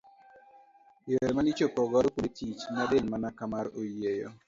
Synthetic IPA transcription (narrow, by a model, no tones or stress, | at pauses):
eɾmanit͡ʃopɔɡɔɾkuetʰit͡ʃmadelmanakamaɾojejo